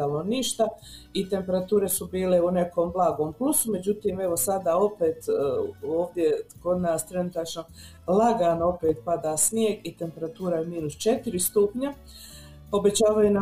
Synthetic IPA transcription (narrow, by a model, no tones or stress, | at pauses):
aloniʃt̪a | it̪e̞mpe̞ɾat̪uːɾe̞subiːle̞une̞ko̞ːmblˠaːɡoːmplusume̞d͡ʑut̪iːme̞ʋosad̪aːo̞pe̞ːt̪ː | oːʋd̪je̞ko̞d̪naːst̪ɾe̞nut̪at͡ʃno̞ | laɡaːno̞peːt̪̚pad̪aːsnjeɡit̪e̞mpe̞ɾat̪uːɾajemiːnust͡ʃe̞t̪iɾist̪upɲa | o̞be̞t͡ɕaːʋajuna